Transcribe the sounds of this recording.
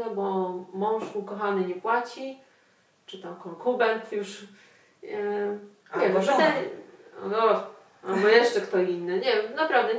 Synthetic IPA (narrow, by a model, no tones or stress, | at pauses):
ɛbɔmɔ̃w̃ʂmukɔxanɘɲɛpwat͡ɕi | t͡ʂɘt̪amkɔŋkubɛnt̪juʂ | aɔt̪ɛ | ɔ̰ɡɔ | albɔjɛʂt͡ʂɛkt̪ɔinːɘɲɛnapɾavd̪ɛ